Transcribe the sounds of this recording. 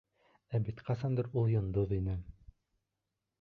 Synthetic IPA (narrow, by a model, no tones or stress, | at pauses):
æbit̪qɑsɑnd̪ɤɾulˠjŏnd̪oðinɘ